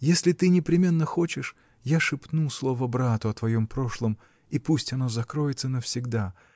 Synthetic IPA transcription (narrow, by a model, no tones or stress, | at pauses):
jesʲlʲɪt̪ɨnʲɪpɾʲɪmʲe̞nːəxo̞t͡ɕɪʂ | jaʂɨpnuslˠo̞vəbɾat̪ʊɐt̪vɐjo̞mpɾo̞ʂlˠəm | ipusʲtʲɐno̞zɐkɾojɪt̪sənəfsʲɪɡd̪a